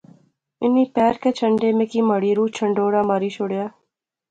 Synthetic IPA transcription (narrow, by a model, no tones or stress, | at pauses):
ɪnːiːpɛːɾkeːt͡ʃʰəɳɖeːmekiːməɽiːɾuːt͡ʃʰəɳɖoːɽaːmaːɾiːʃoːɽjaː